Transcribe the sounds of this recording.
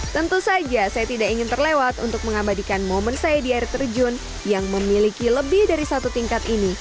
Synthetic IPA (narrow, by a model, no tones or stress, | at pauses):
t̪ənt̪usad͡ʒasajat̪idakiŋɪnt̪ərlewat̪ṵnt̪ʊk̚məŋabadikanmomənsajadiairt̪ərd͡ʒʊn | jaŋməmilikiləbɪhdaɾisat̪ut̪iŋkat̪ini